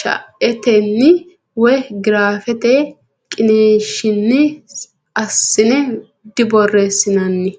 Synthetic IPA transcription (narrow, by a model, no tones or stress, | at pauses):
ʃɐ̰ʔɛt̪ɛnːɪ | wɔjɡɪɾaːfɛt̪ɛ | kʼɪneːʃɪnːɪ | ɐsːɪnɛ | d̪ɪbɔrːesɪnɐnːɪ